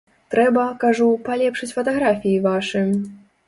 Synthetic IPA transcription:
t̪ɾɛbɐkaʐupalʲɛpʂɨt͡sʲfɐt̪aɣɾafʲijivaʂɨ

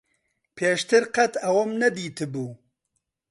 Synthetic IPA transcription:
pʰeːʃt̪ʰɨɾqɐt̪ɐwɔmnɐd̪iːt̪ʰɨbuː

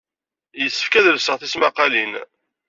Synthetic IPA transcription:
jəsːə̥fkæðəlsəʁθismæqːɑlin

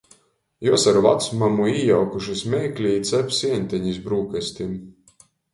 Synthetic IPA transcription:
juɔsaɾva̰t̪smamuijawkuʃismʲɛːklʲiːt̪sɛpʲsiɛnʲt̪ʲɛɲisbɾuːkɛsʲt̪ʲin

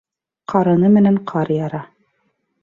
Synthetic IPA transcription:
qʰɑɾɤ̆nɤmɘ̆næɴqʰɑɾjɑɾɑ

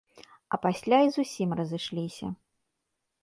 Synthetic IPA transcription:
ɐpasʲlʲaizusʲimrɐzɨʂlʲisʲɐ̰

